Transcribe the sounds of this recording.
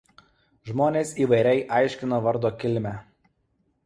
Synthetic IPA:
ʒmoːnʲeːsiːʋɐɪɾʲɛɪʔɑˑɪʃʲkʲɪnoʋɐɾd̪oːkʲɪlʲmʲæ

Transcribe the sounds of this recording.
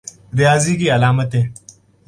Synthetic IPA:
ɾijaːziːkiːɐlaːmɐt̪e

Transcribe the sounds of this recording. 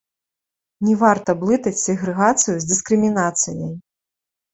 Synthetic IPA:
nʲɛvart̪ɐblˠɨt̪ɐt͡sʲsʲɛɣɾɛɣat̪sɨjuzʲd̪ɨskɾɨmʲinat̪sɨjɐj

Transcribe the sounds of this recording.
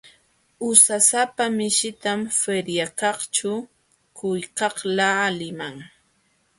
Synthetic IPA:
ʊsasapamɪʃɪt̪amfeɾjakɑχt͡ʃʊ | kʊjkɑχlaːlɪmaŋ

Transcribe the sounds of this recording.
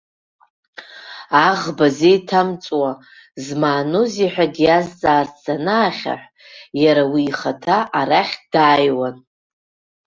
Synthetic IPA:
aʁbazejtʰamt͡sʼwa | zmaːnoziħʷᶣaɡjazt͡sʼaːzt͡sʰanaːχʲa̰ħʷ | jaɾawiːχatʰaʔaɾaχʲdaːjwan

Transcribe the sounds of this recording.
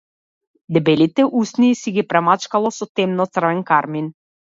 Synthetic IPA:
d̪ɛbɛlit̪ɛʔusniːsiɡipɾamat͡ʃkalˠɔsɔt̪ɛmnɔt̪sr̩vɛnkaɾmin

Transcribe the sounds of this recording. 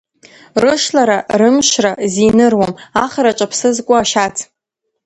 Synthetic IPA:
rɨʃlaɾarɨmʃrazinɨrwamaχaɾat͡ʃʼapʰsɨzkʷʼʊaʃat͡sʰ

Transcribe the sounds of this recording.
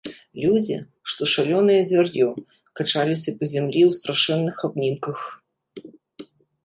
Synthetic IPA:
lʲud͡zʲḭ | ʂt̪ɔʂalʲɔnɨjɐzʲvʲarjɔ | kat͡ʂalʲisʲɐpɐzʲamlʲiwst̪ɾaʂɛnːɨxabnʲimkɐx

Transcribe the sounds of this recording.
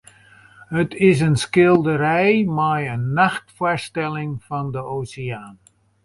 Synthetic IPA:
ɦətɪs̬ənskɪlˠdəɾɛjmajənːaxtfʊɹstɛlɪŋfɑndəʔoːsɪaːn

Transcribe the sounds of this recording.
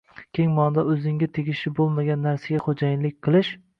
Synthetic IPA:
kʲʰeŋmɒnd̪aɵzɪŋʲɪt̪ʰeɡʲɪʃɪbolˠmaɡʲanːaɾsaɡʲaχod͡ʒajɪnlɪk̚ʲqʰɨlˠɪʃ

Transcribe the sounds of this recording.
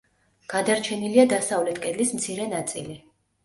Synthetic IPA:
ɡ̥ad̪aɾt͡ʃʰɛniliad̪asavlɛt̪ʰkʼɛd̪lismt̪sʰiɾɛnat̪sʼḭli

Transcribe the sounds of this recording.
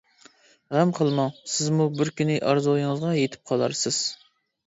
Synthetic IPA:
ʁɛmqʰəlˠmɑwsɪzmubɪɾkʲynɪʔɑɾzojɨŋəzʁɑjet̪ʰɪ̥p̚qʰɑlˠɑ̰ɾsɪz̥

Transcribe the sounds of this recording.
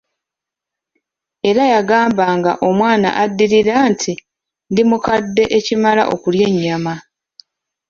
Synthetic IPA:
e̞ɾajaɡaːmbaŋɡa̰ʔo̞mwaːna̰ʔadːiɾiɾaːntʰi | ndimukadːe̞ʔecimala̰ʔo̞kulje̞ɲːama

